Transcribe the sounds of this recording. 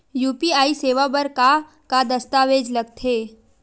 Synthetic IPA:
juːpiaːiseːʋabɐɾka | kad̪ɐst̪aːʋeːd͡ʒlɐɡ̚t̪ʰeː

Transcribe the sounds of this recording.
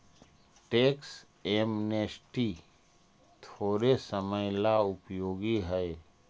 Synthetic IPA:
ʈeːks | emneːsʈi | t̪ʰoːɾesəməjlaʊpjoːɡiɦɛe

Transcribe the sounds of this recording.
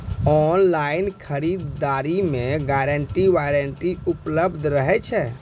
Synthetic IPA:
ɔnlainkʰəɾid̪ːaɾimẽɡaɾəɳʈiʋaɾəɳʈiupləbd̪ʱɾəɦɛt͡ʃʰɛ

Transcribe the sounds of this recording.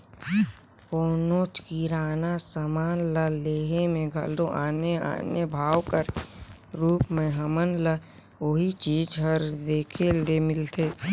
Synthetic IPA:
koːnoːt͡ʃkiɾaːnasamaːnləleːɦemẽɡʱə̰loʔaːnea̰ːnebʱaːwkəɾ | ɾuːpmẽɦəmənlə | oɦit͡ʃiːd͡ʒɦəɾd̪eːkʰelemɪlt̪eː

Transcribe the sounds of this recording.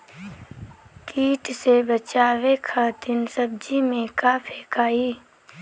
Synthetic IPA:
kiːʈsebət͡ʃaːwekʰat̪ɪnsəb̚d͡ʒimẽkaːpʰeːkaːiː

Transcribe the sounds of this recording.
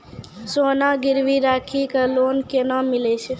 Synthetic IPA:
sonaɡɪɾʋiɾaːkʰikalonkenamilet͡ʃʰe

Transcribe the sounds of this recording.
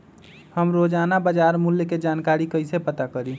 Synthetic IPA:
həmɾoːd͡ʒaːnabəd͡ʒaːɾmʊljked͡ʒaːnkaːɾikəɪsepət̪akəɾi

